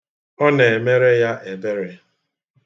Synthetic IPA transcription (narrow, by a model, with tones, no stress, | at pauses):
ɔ˦ne˨me˦ɾe˦ja˦ʔe˨be˦ɾe˦